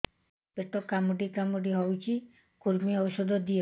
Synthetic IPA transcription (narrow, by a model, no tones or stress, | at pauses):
peʈɔkamuɖikamuɖiɦɔwt͡ʃʰi | kuɾmiɔwɔsɔd̪ʱɔd̪ie